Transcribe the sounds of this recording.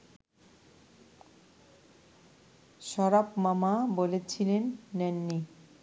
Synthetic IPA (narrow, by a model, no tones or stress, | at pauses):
ʃɔɾapmamabolet͡ɕʰilenːɛnːi